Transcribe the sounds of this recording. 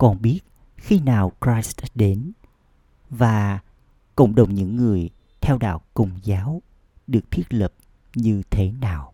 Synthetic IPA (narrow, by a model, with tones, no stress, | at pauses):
kɔ˨˩nɓi˦˥ət̚ | xi˧naː˨˩wkɹaː˧˦jstɗe˨˦n | vaː˨˩ | kə̰˧˩wŋ͡mɗə˨˩wŋ͡mɲɨ̰˧˥ŋːɨ˨˩əj | t̪ʰɛ˧wɗa̰ː˧˨wkə̰˧˨˩wŋ͡mzaː˨˦w | ɗɨ˨˩ək̚t̪ʰi˦˥ət̚lə˨˩p̚ | ɲɨ˧t̪ʰe˨˦naː˨˩w